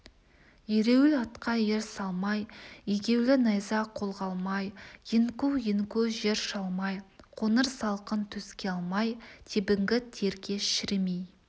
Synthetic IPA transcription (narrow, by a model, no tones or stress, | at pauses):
jeɾe̞wɪlɑt̪qɑjeɾsɑlˠmɑjeɡʲe̞wlɪnɑjzɑqʰolˠʁɑlˠmɑjjɪŋkuwjɪŋkuʒeɾʃɑlˠmɑjqʰo̞nəɾsɑlˠqənt̪ʰɵskʲeɑlˠmɑjt̪ʰebɪŋɡʲɪt̪ʰe̞ɾkʲe̞ʃɪɾmej